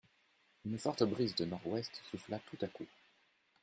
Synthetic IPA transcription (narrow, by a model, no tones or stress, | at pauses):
ynfɔʁt̪əbʁizd̪ənɔʁwɛst̪suflat̪ʰut̪aku